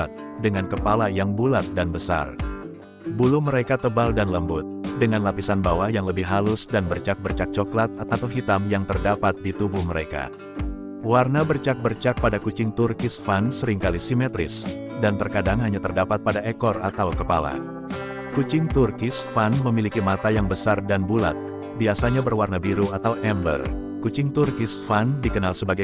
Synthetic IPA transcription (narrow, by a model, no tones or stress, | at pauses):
t̪̚dəŋankəpalajaŋbulat̪̚danbəsa̰r | buluməɾekat̪əbaldanləmbʊt̪̚dəŋanlapisanbawajaŋləbɪhɦalʊsdanbərt͡ʃak̚bərt͡ʃak̚t͡ʃɔklat̪̚at̪at̪awɦit̪amjaŋt̪ərdapat̪̚dit̪ubuhməɾeka̰ | warnabərt͡ʃak̚bərt͡ʃak̚padakut͡ʃɪŋt̪urkɪsfansəɾɪŋkalisimɛt̪ɾɪ̰s | dant̪ərkadaŋɦaɲat̪ərdapat̪̚padaekɔra̰t̪awkəpa̰la̰ | kut͡ʃɪŋt̪urkɪsfanməmilikimat̪ajaŋbəsardanbula̰t̪̚ | biasaɲabərwarnabiɾuat̪awʔɛmbə̰r | kut͡ʃɪŋt̪urkɪsfandikənalsəbaɡa